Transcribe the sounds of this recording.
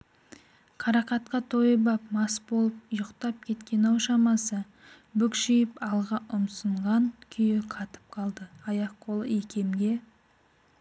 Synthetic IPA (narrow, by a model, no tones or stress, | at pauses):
qʰɑɾɑqɑt̪qɑt̪ʰo̞jəbɑp̚mɑsbo̞lˠəp̚jʊqt̪ɑp̚kʲʰe̞t̪kʲe̞nɑwʃɑmɑsə | bʏkʃijɪpɑlˠʁɑʔʊmsəɴʁɑŋkʲʰʏjɪqʰɑt̪ə̥p̚qʰɑlˠd̪əɑjɑq̚qʰolˠəekʲʰe̞mɡʲe̞